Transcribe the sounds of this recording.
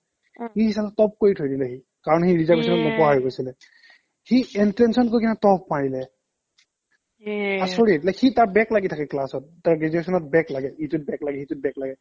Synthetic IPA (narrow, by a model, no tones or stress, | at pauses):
hihisalɛtɔp̚koɹitʰojdilɛxi | kaɹɔnhiɹizabisɔnɔtmɔpɔɦaɹɡojsilɛ | hiɛntɹɛnsɔnkojkinatɔpmaɹilɛ | asoɹiɛtlɛxitaɹbɛklaɡitʰakɛklasɔt̚ːaɹɡizɛksɔnɔt̚bɛklaɡɛhitʊt̚bɛklaɡɛhitʊt̚bɛklaɡɛ